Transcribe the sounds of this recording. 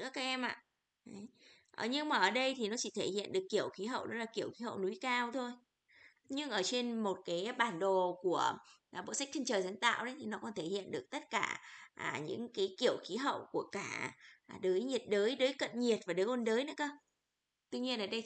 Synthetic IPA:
ɨ̰˧˥əkaː˨˦˥k̚ʔɛ˧mʔa̰ː˧˨ | ʔə˨˦j | ʔə˨˩ɲɨ˧ŋmaː˨˩ʔəː˧˩ɗə˧jt̪ʰi˨˩nɔ˨˦t͡ɕi˧˩t̪ʰe˧˩hḭ˧˨ənɗɨ˨˩əkːi˧˩əwxi˨˦ɦə̰˧˨wɗɔ˨˥laː˨˩ki˧˩əwxi˨˦hə̰˧˨wnu˨˦jkaː˧wt̪ʰo˧j | ɲɨ˧ŋʔəː˧˩t͡ɕe˧nmo˨˩t̚kaː˨˦jɓaː˧˩nɗo˨˩ku˧˩ə˨˩ɓo̰˧˨sa˦˥k̪̚ʰŋ̟t͡ɕəː˨˩za˨˦ŋt̪a̰ː˧˨wɗə˨˦jt̪ʰi˨˩nɔ˨˦kɔ˨˦nt̪ʰe˧˩hḭ˧˨ənɗɨ˨˩ək̚t̪ə˦˥t̚kaː˧˩ʔaː˨˩ɲɨ̰˧˥ŋkaː˨˦jki˧˩əwxi˨˦ɦə̰˧˨wku˧˩əkaː˧˩˨ɗəː˨˦jɲi˨˩ət̚ɗəː˨˦jɗəː˨˦jkə̰˧˨nɲi˨˩ət̚vaː˨˩ɗəː˨˦jʔo˧nɗəː˨˦jnɨ̰˧˥kəː˧˩ | t̪wi˧ɲi˧ənʔəː˧˩ɗə˧j

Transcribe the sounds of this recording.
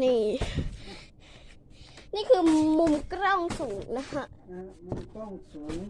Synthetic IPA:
niː˥˩ | niː˥˩kʰɯː˧mu˧mkɾɔ˥˩ŋsuː˩˦ŋna˦˥kʰa˦˥ʔmkŋuː˩˦ŋ

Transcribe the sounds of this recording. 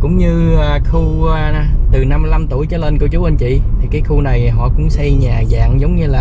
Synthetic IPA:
kʊ̰˧˥ŋ͡mɲɨː˧˨˩xu˧ | t̪ɨ˨˩na˧mːɨ˧jla˧mt̪u˧˩əjt͡ɕɔ˨˦le˧nkə˧wt͡ɕu˨˦wʔə˧nt͡ɕḭ˧˨t̪ʰi˨˩kaː˨˦jxu˧na˨˩jɦɔ̰˧˨kʊ̰˧˥ŋ͡msa˧jɲaː˨˩za̰ː˧˨ŋzə˨˦wŋ͡mɲɨ˧laː˨˩

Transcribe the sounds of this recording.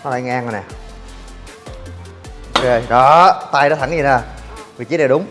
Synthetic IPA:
nɔ˨˦la̰ː˧˨˩jŋaː˧ŋ˨˩nɛ˨˩ | ʔʔo˧ke˧ɗɔ˨˦t̪aː˧jɗɔ˨˦t̪ʰŋzi˨˩naː˨˩vi˨˩t͡ɕi˨˦˥ɗe˨˩ɗʊ˨˦ŋ͡m

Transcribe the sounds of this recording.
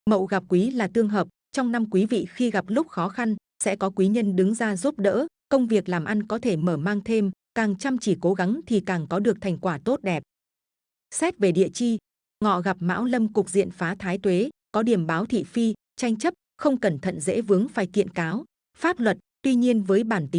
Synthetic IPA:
mə̰˧˨wɣa˨˩p̚kwi˨˦laː˨˩t̪ɨ˧əŋɦəː˨˩p̚ | t͡ɕɔ˧wŋ͡mna˧mkwi˨˦vḭ˧˨xi˧ɣa˨˩p̚lʊ˦˥k͡p̚xɔ˨˦xa˧n | sɛ̰˧˥kɔ˨˦kwi˨˦ɲə˧nɗɨ˨˦ŋzaː˧zu˦˥p̚ɗə̰ː˧˥kə˧wŋ͡mvi˨˩ək̚laː˨˩mʔa˧jnkɔ˨˦t̪ʰe˧˩məː˧˩maː˧ŋt̪ʰe˧mkaː˨˩ŋt͡ɕa˧mt͡ɕi˧˩ko˨˦ɣa˨˦ŋt̪ʰi˨˩kaː˨˩ŋkɔ˨˦ɗɨ˨˩ək̚t̪ʰa˨˩jŋ̟kwaː˧˩t̪o˦˥t̚ɗɛ˨˩p̚ | sɛ˦˥t̚ve˨˩ɗḭ˧˨ət͡ɕi˧ | ŋɔ̰˧˨ɣa˨˩p̚ma̰ː˧˥wlə˧mkʊ˨˩k͡p̚zḭ˧˨ənfaː˨˦t̪ʰaː˨˦jt̪we˨˦kɔ˨˦ɗi˧˩əmɓaː˨˦wt̪ʰḭ˧˨fi˧ | t͡ɕa˧jŋ̟t͡ɕə˦˥p̚xə˧wŋ͡mkə˨˩nt̪ʰə̰˧˨nzḛ˧˥vɨ˨˦əŋfaː˨˩jkḭ˧˨ənkaː˨˦w | faː˦˥p̚lwə˨˩t̚t̪wi˧ɲi˧ənvəː˨˦jɓaː˧˩nt̪i˨˦

